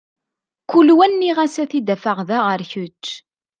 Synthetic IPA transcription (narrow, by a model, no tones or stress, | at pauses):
kulwænːiʁæsæθid̪æfəʁðaʁəɾçʊt͡ʃː